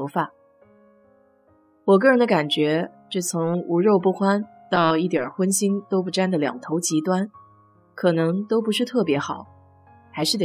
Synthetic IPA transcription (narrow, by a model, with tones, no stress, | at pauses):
fa˨˩ | wɔ˨˩k̬ɤ˥˩ɻə˧˥nd̪ə˧ka˨˩nt͡ɕɥɛ˧˥ʈ͡ʂ̩˥˩t͡sʰʊ˧˥ŋu˧˥ɻo˥˧ʊpu˥˩xwa˥n | t̪ɑ˥˧ʊi˥˩t̪jə̰˞˨˩xwə˥nɕi˥ŋt̪o˥ʊp̬u˥˩ʈ͡ʂa˥nd̪ə˨ljɑ̰˨˩ŋt̪ʰo˧˥ʊt͡ɕi˧˥t̪wa˥n | kʰɤ˨˩nɤ˧˥ŋt̪o˥ʊpu˧˥ʂɻ̩˥˧t̪ʰɤ˥˩pjɛ˧˥xɑ˨˩˦ʊ | xa˧˥ɪʂɻ̩˥˩t̪e˨